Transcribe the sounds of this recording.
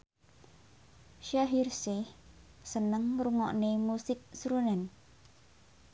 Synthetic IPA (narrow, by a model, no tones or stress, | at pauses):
ʃaɦirsɪh | sənəŋruŋɔ̰ʔnemusɪk̚sɾunɛn